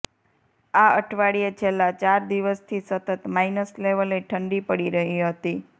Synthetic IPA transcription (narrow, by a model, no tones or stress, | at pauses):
aəʈʰʋaɽijet͡ʃʰelːat͡ʃaɾd̪iʋəst̪ʰisət̪ət̪mainəsleʋəleʈʰəɳɖipəɽiɾəɦiɦət̪i